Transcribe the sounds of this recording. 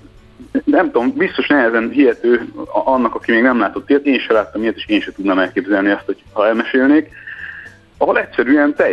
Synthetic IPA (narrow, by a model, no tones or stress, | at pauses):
nɛmt̪oombist̪o̞ʃnɛɦɛzɛnɦiɦɛt̪øːʔɒnːɒkɒkimeːɡnɛmlaːt̪o̞t̪ːeːjt̪eːniʃɛlaːt̪ːɒmijɛt̪eːʃeːnʃɛt̪ud̪nɒmɛlkeːbzɛlniɒst̪hochɒɛlmɛʃeːlneːk | ɒɦo̞lɛtʲsɛɾyːɛnt̪ɛj